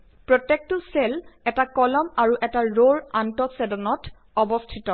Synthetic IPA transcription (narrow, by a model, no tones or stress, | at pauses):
pɹɔtek̚tuselɛtakɔlɔmaɹuʔɛtaɹoɹantɔsɛdɔnɔt | ɔbɔstʰitɔ